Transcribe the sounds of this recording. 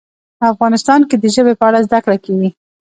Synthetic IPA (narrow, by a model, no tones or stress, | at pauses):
əafɣɑnɪst̪ɑnked̪əʒəbepəaɽazd̪akɽakewi